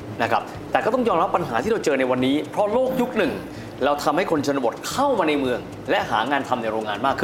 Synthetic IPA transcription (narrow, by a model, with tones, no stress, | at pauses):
na˦˥kʰa˦˥p̚ | t̪ɛː˨˩kɔː˥˩t̪ɔ˥˩ŋjɔː˧mɾa˦˥pːa˧nɦaː˩˦t̪ʰiː˥˩ɾa˧wt͡ɕɤː˧na˧jwa˧nːiː˦˥pʰɾɔ˦˥loː˥˩k̚ju˦˥k̚nɯ˨˩ŋ | ɾa˧wt̪ʰa˧mha˥˩jkʰo˧nt͡ɕʰɤː˧na˧bo˨˩t̪̚kʰa˥˩wmaː˧na˧jmɯ˧əŋ | lɛ˦˥ʔɦaː˩˦ŋaː˧nt̪ʰa˧mna˧jɾoː˧ŋaː˧nmaː˥˩kʰːɯ˥˩